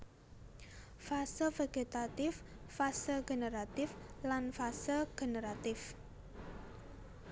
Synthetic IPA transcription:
fasəveɡ̥et̪at̪ɪfː | asəɡe̤nəɾat̪ɪflanfasəɡ̥e̤nəɾat̪ɪf

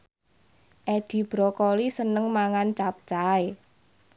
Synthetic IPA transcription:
ʔɛd̪̥i̤b̥ɾɔkɔlisənəŋmaŋant͡ʃap̚t͡ʃae

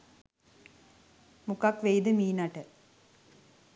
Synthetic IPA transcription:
mukɐkʋejd̪ɨmiːnɐʈɨ

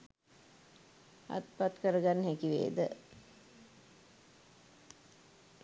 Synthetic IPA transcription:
a̰t̪pat̪kəɾəɡanːəɦækiʋḛːd̪ə

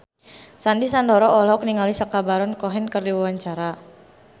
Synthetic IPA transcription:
sandisandɔɾɔʔːlɔk̚niŋalisakabaɾɔnkɔɦɛnkərdiwawaɲt͡ʃaɾa

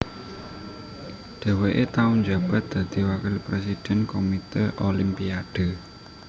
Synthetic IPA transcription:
ɖ̥ɛ̤weʔet̪aʊnd͡ʒa̤b̥a̤t̪̚d̪̥ä̤d̪̥i̤wakɪlpɾes̬id̥ɛ̤nkomit̪əʔolimpiaɖ̥ə̤

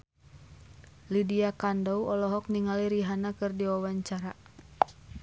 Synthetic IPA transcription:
lidiakandɔuɔlɔɦɔk̚niŋaliɾiɦanakɨrdiwawaɲt͡ʃaɾa

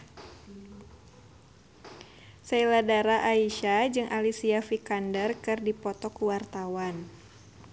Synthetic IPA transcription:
sailadaɾaʔaiʃad͡ʒɨŋʔalisiafikandərkɨrdipɔt̪ɔkuwart̪awan

